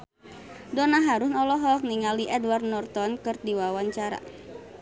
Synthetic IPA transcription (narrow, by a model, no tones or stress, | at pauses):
dɔnaɦaɾʊhnɔlɔɦɔk̚niŋaliʔɛdward̚nɔrt̪ɔnkɨrdiwawaɲt͡ʃaɾa̰